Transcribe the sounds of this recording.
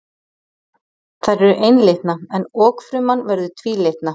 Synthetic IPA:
θaɾɛɾʏʔejnlejht̪naɛnɔːkfɾʏmanːvɛɾðʏt̪ʰviːlejht̪na

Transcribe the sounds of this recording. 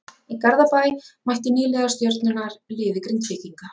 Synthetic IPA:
ikaɾðapajmajht̪ɪniːlɛːðast̪jœɾt̪nʏnaɾ̥lɪːðɪkɾint̪fiːciŋka

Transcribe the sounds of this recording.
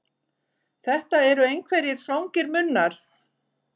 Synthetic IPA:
θɛht̪aɛɾʏejnkʰvɛɾjɪɾ̥θawŋcɪɾmʏnːaɾ̥

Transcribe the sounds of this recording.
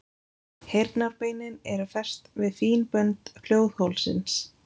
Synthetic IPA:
hejɾt̪naɾpeːjnɪnɛɾʏfɛr̥st̪vɪðθiːnpœnt̪hl̥joːwðhowlsɪ̰ns

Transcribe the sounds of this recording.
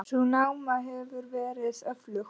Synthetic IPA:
sunawmaɦɛvʏɾvɛːɾɪðœflʏx

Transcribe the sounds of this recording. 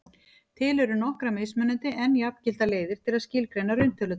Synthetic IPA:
t̪ʰɪlɛɾʏnɔhkɾamejsmʏnːʏnt̪ɪʔɛnjapcɪl̥t̪aleːjðɪɾ̥t̪ʰɪlaðscɪlkɾeːjnaɾʏɥn̥t̪ʰʏlʏt̪

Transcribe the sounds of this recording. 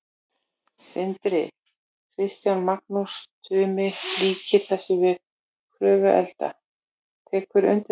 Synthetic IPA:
sɪnt̪ɾɪ | kʰɾɪst̪janmaknust̪ʰʏːmɪliːcɪθɛsɪvɪð | kʰɾœːvʏʔɛ̰lt̪a̰ | t̪ʰɛːkʏɾʏ̰nt̪ɪ

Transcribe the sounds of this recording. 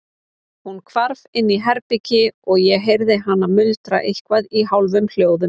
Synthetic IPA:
hunkʰvaɾvɪnːiɦɛɾpicɪɔɣjɛɦejɾðɪɦanːamʏlt̪ɾa̰ʔejhkvaðiɦawlvʏml̥joːwðʏm

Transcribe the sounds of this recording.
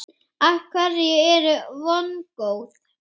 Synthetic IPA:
ahkʰvaɾɪɛɛɾʏvɔnkoːwt̪

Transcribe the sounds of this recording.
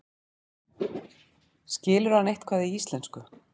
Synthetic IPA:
scɪːlʏɾ̥anejht̪kʰvaːðɪiist̪lɛnskʏ

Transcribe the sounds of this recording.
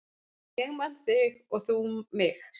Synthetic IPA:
ceɣman̥θɪɣɔθumɪx

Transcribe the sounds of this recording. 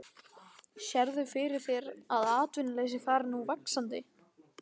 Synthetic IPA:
ɕɛɾðʏfɪɾɪɾ̥θjɛɾaðaːt̪vɪnɪlɛɣs̬ɪθaːɾnuvaksant̪ɪ̰

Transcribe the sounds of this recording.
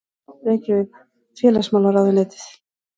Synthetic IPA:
ɛcɪvɪð | fjɛːlasmaːlaɾawðaneːt̪ɪ̥θ

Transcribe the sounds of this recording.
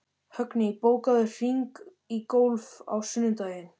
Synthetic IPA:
hœknɪipoːwkaðʏr̥iŋk | ikowlva̰wsʏnːɪt̪œːɥjɪn

